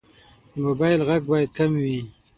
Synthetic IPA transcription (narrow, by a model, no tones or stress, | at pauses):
d̪əmobɑjɪlɣaɡ̚bɑjad̪̚kamwi